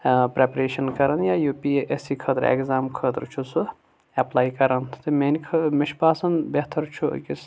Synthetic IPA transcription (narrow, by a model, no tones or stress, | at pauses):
pɾepɾeːʃɐnkɐɾɐnjaːjuːpiʔesikʰɐt̪ɾḛkzaːmkʰət̪ɾt͡ʃʰusu | ɛplaːjkɐɾɐnt̪ɨmenikʰmɪʃpaːsɐnbeht̪ʰɐɾt͡ʃʰṵkʲis